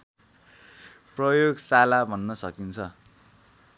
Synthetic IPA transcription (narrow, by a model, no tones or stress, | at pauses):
prʌjoɡsalabʱʌnːʌsʌkint͡sʰʌ